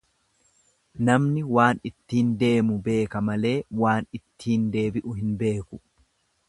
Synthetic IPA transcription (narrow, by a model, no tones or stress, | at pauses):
nɐmnɪwaːnɪt̪ːiːnd̪e̞ːmʊbe̞ːkɐmɐle̞ːwaːnɪt̪ʰːiːnd̪e̞ːbɪʔʊɦɪnbe̞ːkʊ̥